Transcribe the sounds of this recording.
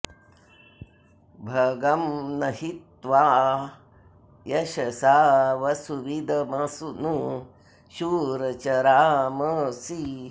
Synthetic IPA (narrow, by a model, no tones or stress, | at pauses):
bʱɐɡɐmnɐhit̪ʋaː | jɐɕɐsaːʋɐsuʋid̪ʱɐmɐsunu | ʃuːɾɐt͡ʃɐɾaːməsi